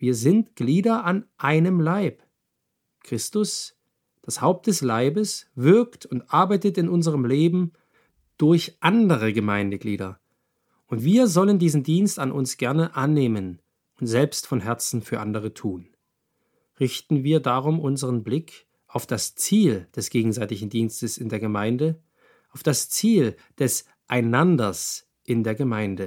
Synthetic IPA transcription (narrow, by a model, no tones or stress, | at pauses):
viːɐzɪntɡ̥liːdɐʔanʔaɪnəmlaɪp | kʁ̥ɪstʊs | d̥ashaʊp̚t̚d̥ɛslaɪbəsvɪɐktʰʊntʔaɐbaɪtətɪnʔʊnzəʁəmleːbm̩ | d̥ʊɐçʔandəʁ̞əɡəmaɪndəɡlḭːdɐ̰ | ʔʊntv̥iːɐzɔləndiːzn̩diːnstanʔʊ̰nsɡ̥ɛɐnəʔanːeːmən | ʊntz̥ɛlpstfɔnɦɛɐt͡sn̩fyːɐʔandəʁ̞ətʰuːn | ʁɪçtn̩viːɐdaʁ̞ʊmʔʊnzəʁənblɪkʰ | ʔaʊfd̥ast͡siːld̥ɛsɡ̥eːɡŋ̩zaɪtɪçn̩diːnstəsɪndeːɐɡəmaɪndə | ʔaʊfd̥ast͡siːl | d̥ɛs | ʔaɪnandɐs | ʔɪndeːɐɡəmaɪndə